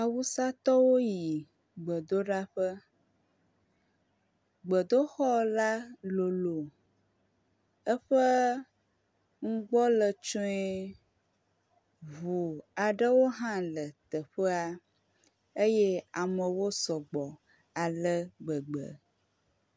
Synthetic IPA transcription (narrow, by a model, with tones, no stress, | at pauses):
a˨wu˦sa˦t̪ɔ˦wo˦ji˨ | ɡ͡bə˨d̪o˦ɖa˦ɸə˦ | ɡ͡bə˨d̪o˦xɔ˦la˦lo˨lo˨ | ə˦ɸə˦ | ŋ̩˦ɡ͡bɔ˦lə˨t͡ʃɔ˦ɛ˦ | vu˨a˨ɖə˦wo˦ɦã˦lə˨t̪ə˨ɸə˦a˦ | e˦je˦a˨mə˨wo˦sɔ˨ɡ͡bɔ˨ | a˨lə˦ɡ͡bə˨ɡ͡bə̰˨